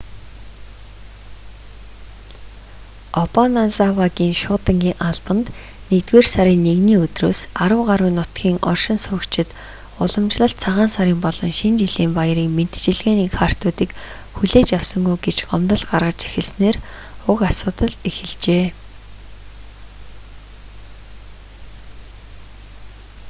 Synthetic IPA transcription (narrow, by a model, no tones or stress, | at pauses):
ɔpɔnansawaɣʲiːŋʃʊːt̪ə̆ŋɡʲiːŋʔaɮpə̆nt̪ | nekt̪ɡeːrsaɾʲiːnːeɣniːɵt̪roːsaɾə̆wɢaɾwiːnːʊt̪ɡʲiːŋɔ̰rʃɪ̆nsʊːkt͡ɕʰɪ̆t̪ | ʊɮɞ̆mt͡ɕɮə̆ɬt̪t͡sʰaʁaːnsaɾiːmpɔɮ̥ɞ̆ŋʃint͡ɕiɮiːmpaj̆ɾiːŋmen̥t̪t͡ɕɪ̆ɮɣeːniːxʰar̥t̪ʊːt̪iːk | xuɮeːt͡ɕjawsə̆ŋɡujɡet͡ɕɢɔmt̪ə̆ɮɢarʁə̆t͡ɕe̥xɘ̆ɮsneːr | ʊkasʊːt̪ə̆ɮexɘ̆ɮt͡ɕeː